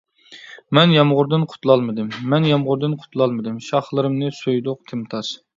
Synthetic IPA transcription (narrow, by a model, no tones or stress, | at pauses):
mɛnjɑmʁʊɾd̪ɨnqʰʊ̥t̪lˠɑlˠmɨd̪ɨmːɛnjɑmʁʊɾd̪ɨnqʰʊ̥t̪ʰlˠɑlˠmɨd̪ɨmʃɑχlˠɨɾɨmnɨsojd̪ʊqt̪ʰɨmt̪ʰɑʃ